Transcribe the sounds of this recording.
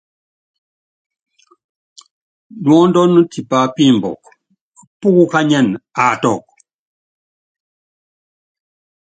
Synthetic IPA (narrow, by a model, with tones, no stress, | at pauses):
dwɔ˦ndɔ˦nu˦tʰi˨pa˨pi˦˨mbɔ̰˨k | pu˦ku˦ka˦ɲa˦˨na˨tɔ˨k̚